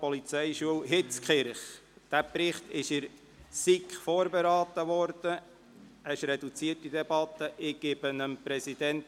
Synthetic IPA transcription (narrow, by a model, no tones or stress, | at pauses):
pɔlit͡sɛjʃuəlɦɪt͡skχɪɾχd̥æpɾɪχt̪ɪʃɪɾ | sikχfoːɾbeɾɑːt̪əʋɔrd̥ə | əʃɾɛdut͡siərtid̥̪ɛb̥ɑt̪ːəʔɪɡ̥ɪb̥ənəmpɾɛsid̥ɛnt